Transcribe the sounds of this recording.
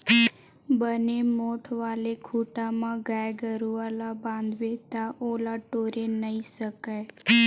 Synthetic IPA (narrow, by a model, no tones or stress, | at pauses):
bənemoʈʰʋalekʰuʈamãɡajɡəɾuʋalabãnd̪ʋet̪aʔolaʈoɾenəisəkaj